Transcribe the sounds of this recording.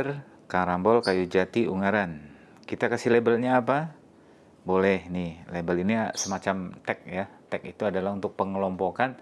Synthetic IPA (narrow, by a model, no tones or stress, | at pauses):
r | kaɾambɔlkajud͡ʒat̪iuŋaɾan | kit̪akasɪhlebəlɲaːp̬a | bolɛhnɪhlebəlinisəmat͡ʃamt̪ɛk̚jat̪ɛkit̪uadalahunt̪ʊk̚pəŋəlɔmpokan